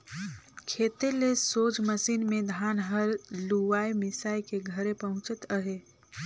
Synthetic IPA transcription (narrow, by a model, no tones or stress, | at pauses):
kʰeːt̪elesoːd͡ʒməsiːnmẽd̪ʱaːnɦəɾluʋaːimɪsaːikeɡʱəɾẽpɐɦʊ̃t͡ʃət̪əɦeː